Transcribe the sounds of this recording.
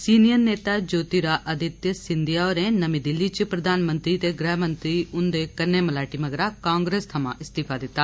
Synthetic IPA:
siːnijəɾneːt̪aːd͡ʒoːt̪iɾaʔəd̪ʱɪt̪jəsɪnd̪ɪjaoːɾẽːnɐmid̪ɪlːit͡ʃpɾəd̪aːnmə̃nt̪ɾit̪eɡɾɛːɦmə̃nt̪ɾiʔʊnd̪eːkɐnːeːməlaːʈiməɡɾakãːŋɡɾeːst̪ʰɐmã̰ːʔɪst̪iːpʰaːd̪ɪt̪ːaː

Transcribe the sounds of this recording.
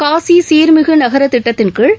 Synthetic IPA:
kaːsisiːɾmɪɣɯnɐɣɐɾɐt̪ːɪʈːɐt̪ːɪnkɯɭ

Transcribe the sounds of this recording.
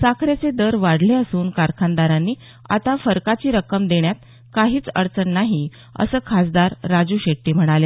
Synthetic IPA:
sakʰɾet͡sed̪əɾʋaɽleəsuːnkaɾkʰãnd̪aɾãnːiː | a̰t̪afəɾkat͡ɕiːɾəkəmd̪eɳjat̪̚ | kaɦiːt͡sə̰ɽt͡səɳnaɦi | ə̰səːkʰasd̪aɾːad͡zuːɕeʈːiːm̤əɽ̃ale

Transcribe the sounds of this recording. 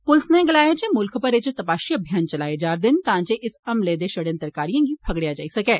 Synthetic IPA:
pʊlɪsnɛːɡəlaːjed͡ʒeːmʊlkʰpəɾɪt͡ʃt̪əpaːʃiːəbʱijaːnt͡ʃəlaːed͡ʒaːɾd̪ɪnt̪ãːd͡ʒeːʔɪsəmleːd̪eːʃəɽə̃nt̪əɾkaːɾijãːɡiːpʰəɡɽejaːd͡ʒa̰ːisəkɛː

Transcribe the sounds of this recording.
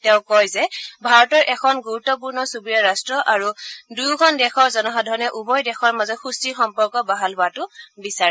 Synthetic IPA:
tɛʊ̃kɔjzɛbʱaɹɔtɔɹʔɛkʰɔnɡuɹutɔp̬uɹnɔsubijaɹastɹɔʔaɹudujɡʰʱɔndɛxɔɹzɔnɔɦadʱɔnɛʔubɔjdɛxʰɔɹmazɔtxustixɔmpɔɹkɔbaɦalɦʊatʊbisaɹɛ

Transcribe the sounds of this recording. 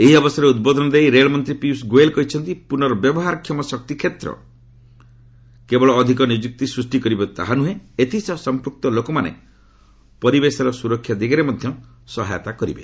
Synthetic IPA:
eɦiɔbɔsɔɾeud̪̚bɔd̪ʱɔnɔd̪eijɾeɭɔmɔnt̪ɾipisɡoelkɔɦit͡ʃʰɔnt̪ipunɔɾɔbjɔbɔɦaɾɔkʰjɔmɔsɔk̚t̪ikʰet̪ɾɔ̰ | kebɔɭɔːd̪ʱikɔnid͡ʒuk̚t̪isɾusʈikɔɾibɔt̪a̰ɦanuɦẽet̪ʰisɔsɔmpɾuk̚t̪ɔlokɔmanḛ | pɔɾibesɔɾɔsuɾɔkʰːjad̪iɡaɾemɔd̪ʱjɔ | sɔɦa̰jɔt̪akɔɾibe

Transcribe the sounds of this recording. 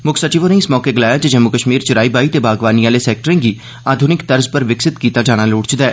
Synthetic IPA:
mʊkʰsət͡ʃiːʋõneɪsmɔːkeːɡəlaːjaːt͡ʃd͡ʒəmːʊkəʃmiːɾt͡ʃɪɾaːiːbaːit̪eːbaːɡʋaːniːaːleːsɛːk̚ʈəɾẽːɡiː | aːd̪ʱʊnɪkt̪əɾzpəɾʋɪksɪt̪kiːt̪aːd͡ʒaːɽ̃aːloːɽt͡ʃd̪ɛː

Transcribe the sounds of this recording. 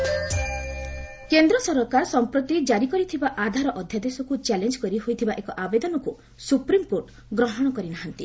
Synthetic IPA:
kend̪ɾɔsɔɾɔkaɾsɔmpɾot̪id͡ʒaɾikɔɾit̪ʰibaʔad̪ʱaɾɔʔɔd̪ʱjad̪esɔkut͡ʃɛlend͡ʒkɔɾiɦojt̪ʰibaʔekɔʔabed̪ɔnɔku | supɾimkoɾʈ | ɡɾɔɦɔɽ̃ɔkɔɾinaɦant̪i

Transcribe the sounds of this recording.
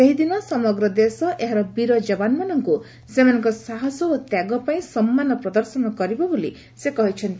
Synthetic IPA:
eɦid̪inɔsɔmɔɡɾɔd̪esɔʔeɦaɾɔbiɾɔd͡ʒɔbanmanɔŋku | semanɔŋkɔsaɦɔsɔot̪jaɡɔpaĩsɔmːanɔpɾɔd̪ɔɾsɔnɔkɔɾibɔboli | sekɔɦit͡ʃʰɔnt̪

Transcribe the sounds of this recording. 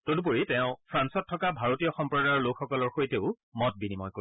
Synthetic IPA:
todup̬oɹitɛ̃ʊ̃pʰɹansɔtʰːɔkabʱaɹotijɔxɔmpɹɔdaɹɔɹlokʰxɔkɔlɔɹxojteʊ | mɔt̚binimɔjko

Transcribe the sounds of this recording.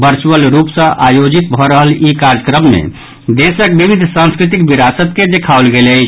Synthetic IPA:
bəɾt͡ʃuəlɾupsə̃ʔajod͡ʒit̪̚bʱɔɾəɦəlikaɾəkɾəmːḛ̃ | d̪esək̚bibid̪ʱsãnskɾit̪̬ikbiɾasət̪ked̪ekʰaʊlɡelət͡ʃʰ

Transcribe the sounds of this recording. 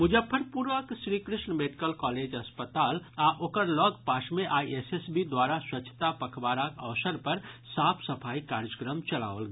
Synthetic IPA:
mud͡ʒəpʰːəɾpuɾʋəksɾikɾɪʃɳəmeɖikəlkɔːled͡ʒəspət̪aːlaʔoːkəɾlɔɡpaːʃmeʔaːiesesbid̪waɾaswətːt͡ʃʰə̥t̪apəkʰbaːɾakəʋsəɾpəɾsaːpʰsəpʰaːikaːɾd͡ʒəkɾəmt͡ʃəla̰ʋəlɡ

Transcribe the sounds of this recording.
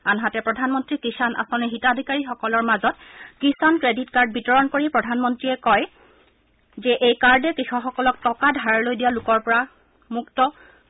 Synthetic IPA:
anɦatɛpɹɔdʱanmɔntɹikisanʔa̰sɔniɦitadʱikaɹixɔkɔlɔɹmazɔt̚kisankɹeditkaɹd̚bitɔɹɔnkoɹipɹɔdʱanmɔntɹiɛkɔj | zɛʔejkaɹdɛkixɔxɔkɔlɔk̚tɔkadʱaɹlojdijalukɔɹpɔɹa | muktɔ

